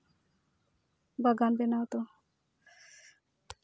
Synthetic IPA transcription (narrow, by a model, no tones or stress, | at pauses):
baɡanbenawt̪o